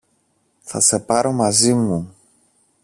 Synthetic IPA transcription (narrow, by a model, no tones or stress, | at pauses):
θɐse̞pɐɾo̞mɐzimu